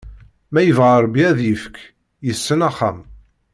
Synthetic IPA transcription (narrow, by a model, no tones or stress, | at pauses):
mæjəvʁəɾˤbiæðjəfək | jəsːənæχːa̰m